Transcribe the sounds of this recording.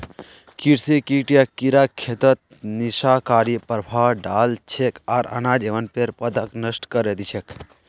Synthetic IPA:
kiɾsekiʈijakiɾaːkʰːet̪ət̪̚ | niʃaːkaːɾpɾbʱaːɖaːlt͡ʃʰekʰaːɾɐ̰naːd͡ʒeʋənpeɾpɐd̪ɐknəsʈkəɾed̪it͡ʃʰek

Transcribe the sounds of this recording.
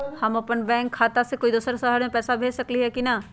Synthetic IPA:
hɐmɐpənbɛ̃ːŋkʰːaːt̪asekoːid̪uːsəɾsəɦəɽmẽpɛːsabʱeːd͡ʒsɐkliɦɛkina

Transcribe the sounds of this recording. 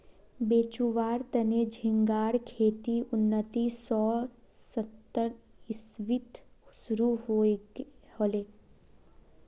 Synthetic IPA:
beːt͡ʃuʋaːɾt̪əned͡ʒʱɪ̃ŋɡaːɾkʰeːt̪iʔʊnːət̪isɔː | sət̪ːəɾ | ɪsʋɪt̪sʊɾuɦo | hoːleː

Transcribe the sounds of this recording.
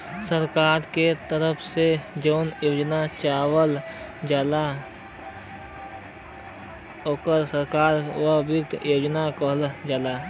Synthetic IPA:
səɾkaːɾket̪əɾəpʰsed͡ʒəʊnjoːd͡ʒnat͡ʃaːwəld͡ʒala | oːkəɾsəɾkaːɾwəbikt̪ʰjoːd͡ʒnakəɦld͡ʒala

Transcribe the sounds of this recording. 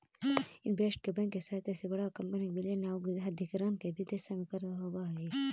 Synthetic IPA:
ɪnbʱeʂʈ̚kebɐ̃ŋkːesaːt̪ɛːsebɐɽakɐmpənibilenaːɡɦɐd̪ʱikɾaːnkebʱid̪esamẽkɐɾt̪aɦoɡaɦeː

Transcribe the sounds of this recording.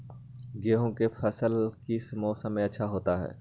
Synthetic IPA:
ɡeːɦõkefʰɐsəlkismɔːsə̃mːẽɐtːʃʰaɦoːt̪aɦɛ̰ː

